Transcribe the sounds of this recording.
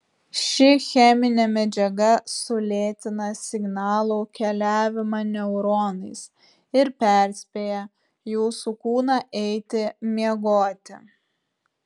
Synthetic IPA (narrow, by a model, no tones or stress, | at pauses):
ʃʲɪxʲɛmʲɪnʲɛmʲɛd͡ʒʲɛɡɐsʊlʲeːt̪ʲɪnɐsʲɪɡnɑːlˠoːkʲɛlʲæːʋʲɪmɑnʲɛʊɾoːnɐɪs | ɪɾpʲæˑɾʲsʲpʲeːjɛ | juːsukuːnɑʔɛɪt̪ʲɪmʲiɛɡoːt̪ʲɪ